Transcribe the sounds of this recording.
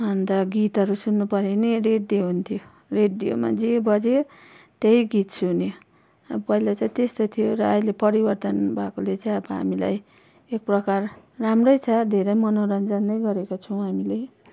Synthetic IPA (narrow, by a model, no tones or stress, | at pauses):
ɦʌnd̪aɡit̪ɦʌɾusunːupʌɾenireɖioɦunt̪ʰijo | reɖːijo̰ma̰d͡zibʌd͡zeo | t̪ejɡit̪sunjo | ʌbʌpʌilat͡saj̃t̪est̪ot̪ʰijoɾʌːilepʌɾibʌrt̪ʌnbʱakolet͡saj̃ʌbʌɦa̰mila̰j | ek̚prʌkar | ramrʌjt͡sʰʌd̪ʱeɾʌjmʌnoɾʌnd͡zʌnːʌjɡʌɾekot͡sʰʌw̃ɦamilej